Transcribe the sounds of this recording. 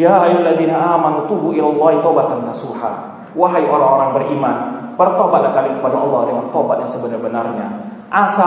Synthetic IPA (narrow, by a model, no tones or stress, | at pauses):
jaɦajlːaðiːnaʔaːmanut̪ubuʔilalːɑɦit̪obat̪anːasuħa̰ | waɦajiʔoɾaŋoɾaŋbərʔimanpərt̪obat̪̚lahkalikəpadaʔɑlˠːɑhdəŋant̪obat̪̚jaŋsəbənarbənarɲa̰ | ʔasa